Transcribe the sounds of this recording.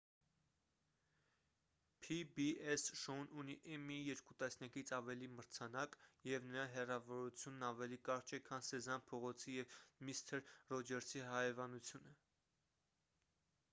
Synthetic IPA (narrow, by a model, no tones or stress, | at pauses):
pʰibiɛsʃɔnuniʔɛmijɛɾkut̪ɑsnjɑkit͡sʰɑvɛliməɾt͡sʰɑnɑkjɛvnəɾɑɦɛrɑvɔɾut͡sʰjunːɑvɛlikɑɾt͡ʃʰɛkʰɑnsɛzɑnpʰɔʁɔt͡sʰijɛvmist̪ʰɛɾːɔd͡ʒɛɾsʰiɦɑjɛvɑnut͡sʰjunə